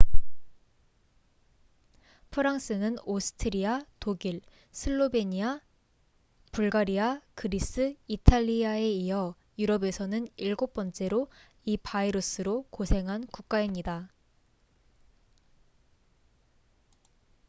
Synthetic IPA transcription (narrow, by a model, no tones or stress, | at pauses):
pʰɯɾaŋs͈ɯnɯnosʰɯ̥tʰɯɾiatoɡiɭ | sʰɯɭːobeɲia | puɭɡaɾiakɯɾis͈ɯitʰaʎːiae̞iʌ | juɾʌbe̞sʰʌnɯniɭɡop͈ʌnt͡ɕ͈e̞ɾo | ipʰaiɾos͈ʰɯɾokosʰe̞ŋɦankuk̚k͈aimɲida